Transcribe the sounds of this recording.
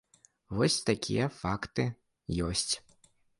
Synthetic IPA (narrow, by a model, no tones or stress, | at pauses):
vɔsʲt̪akʲʰḭjɐfakt̪ɨ | jɔsʲt͡sʲ